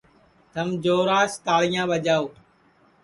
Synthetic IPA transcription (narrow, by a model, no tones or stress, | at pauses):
t̪əmd͡ʒoːɾaːst̪aːɭɪjãːɓəd͡ʒaːoː